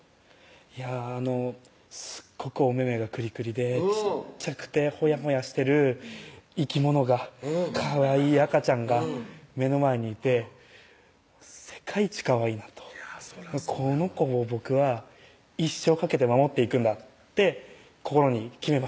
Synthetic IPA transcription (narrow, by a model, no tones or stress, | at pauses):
jaːno̞ | sɨ̥ɡ̥ːo̞kɯ̟o̞me̞me̞ɡakɯ̟ɾʲikɯ̟ɾʲid̪e̞t͡ɕit͡ɕakɯ̟̥t̪e̞ho̞jaɦo̞jaɕi̥t̪e̞ɾɯ̟ | ikʲimo̞no̞ɡakʰaβaiːakat͡ɕãŋɡame̞no̞mae̞ɲ̟iːt̪e̞ | se̞̥kʰait͡ɕi̥kaβainat̪o̥mkʰo̞no̞ko̞ːbo̞kɯ̟βa | iɕːo̞ːkake̞t̪e̞mamo̞t̪ːe̞ikɯ̟̃nd̪aː | e̞ | ko̞ko̞ɾo̞ɲ̟ikʲime̞ma